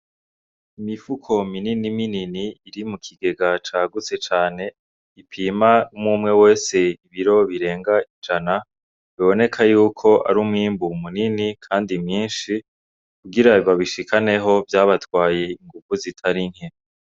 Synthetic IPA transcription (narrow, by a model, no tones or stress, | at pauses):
imifukʰo̞mininimininiːɾimukʰiɡe̞ɡat͡ʃaːɡut͡se̞t͡ʃaːne̞ | ipʰiːmaumuːmŋe̞we̞ːse̞iβiɾo̞βiɾe̞ːŋɡaid͡ʒana | βiβo̞ne̞kʰajuːkʰo̞ʔa̰ɾumŋiːmbumuninikʰaːndimɲiːnʃi | kuɡiɾawaβiʃikʰane̞ɦo̞vjaːβatwaːje̞iŋɡuv̥uzitʰaɾiŋ̥he